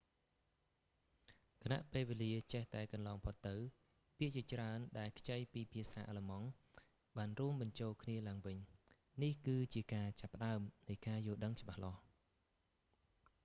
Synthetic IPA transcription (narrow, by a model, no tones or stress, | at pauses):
kʰana̰ʔpeːlʋeːliət͡ɕeht̪aɛkɑnlɑːŋpʰot̪ːɨw | piəʔt͡ɕiət͡ɕraənɗaɛlkʰt͡ɕəjpiːpʰiəsaːʔaːləmɑŋ | ɓaːnruəmɓɑɲt͡ɕoːlkʰniəlaəŋʋɨɲ | nihkɨːt͡ɕiəkaːt͡ɕapːə̆ɗaəmnɨjkaːjʊəlɗəŋt͡ɕə̆ɓahlɑh